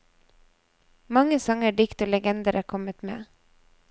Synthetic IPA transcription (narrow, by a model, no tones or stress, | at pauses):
mɑŋəsɑŋəɖɪkt̪oːlɛɡɛnd̪əɾʔəkʰɔmət̪mḛː